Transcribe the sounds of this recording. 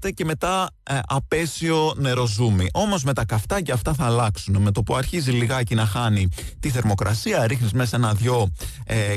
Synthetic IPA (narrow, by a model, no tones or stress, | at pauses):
t̪ece̞me̞t̪ɐ | ɐpe̞sio̞ne̞ɾo̞zumiʔo̞mo̞zme̞t̪ɐkɐft̪ɐceɐft̪ɐθɐːlɐksuneme̞t̪o̞puɐɾçiziliɣɐcinɐxɐnit̪iθe̞ɾmo̞kɾɐsiɐɾixnizmesenɐðʝo̞